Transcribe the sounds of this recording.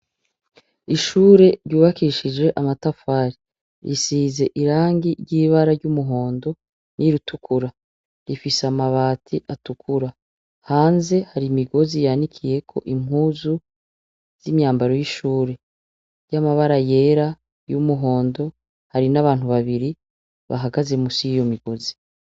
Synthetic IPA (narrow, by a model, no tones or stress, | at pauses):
iʃuːɾe̞ɾɟuːβakiʃid͡ʒwe̞ʔamatafaːɾi | ɾʔisiːze̞ʔiɾaːŋɡiɾɟiːβaɾaɾɟumuɦo̞ːndo̞ | nʔiɾutʰukʰuɾa | ɾifisamaβaːtʰiʔatukʰuɾa | haːnze̞haɾimiɡo̞zijanikʰije̞kʰo̞̰ʔim̥ɦuzu | z̥imɲaːmbaɾo̞jiʃuːɾe̞ | ɾjamaβaɾaje̞ːɾa | jumuɦo̞ːndo̞ | haɾinaβaːnhuβaβiɾi | βa̰ɦaɡaze̞musijijo̞miɡ̥o̞zi̥